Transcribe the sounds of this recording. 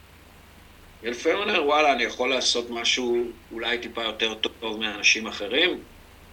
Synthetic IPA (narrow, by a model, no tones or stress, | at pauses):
jelfemaneʁwalaːnijaχo̞lːaːso̞t̪maʃuː | lajtipajo̞te̞ʁt̪ovmianaʃimaχe̞ʁim